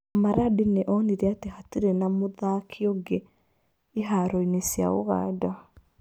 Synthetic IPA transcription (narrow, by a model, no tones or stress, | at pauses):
maɾadineʔɔniɾɛatehatiɾenamoðakʰiɔɡeː | ɦaɾɔinesja̰o̰ɣa̰ːdɔ